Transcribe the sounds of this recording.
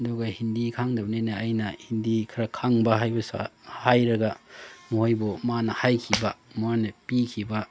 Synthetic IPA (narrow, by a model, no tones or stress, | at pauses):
ɐduɡɐhindikʰaŋdɐbnenaːjnɐhindikʰɐɾɐkʰaŋbɐɦajbɐsa̰hajɾɐɡɐmuhojbomanɐhajkʰibɐmuanɐpikʰibɐ